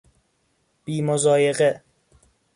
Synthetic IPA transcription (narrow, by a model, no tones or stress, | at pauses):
b̥iːmozɒːjeɣe